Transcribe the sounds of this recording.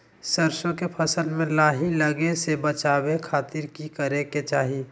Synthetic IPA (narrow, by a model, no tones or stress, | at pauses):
səɾʃõkepʰɐsəlmẽlaːɦiləɡesebət͡ʃaːwekʰaːt̪ɪɾkikəɾeket͡ʃaːɦi